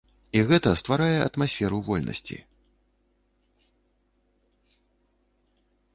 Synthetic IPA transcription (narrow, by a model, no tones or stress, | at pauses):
iɣɛt̪ɐst̪vaɾajɛʔɐ̰t̪masʲfʲɛɾuvɔlʲnɐ̰sʲt͡sʲḭ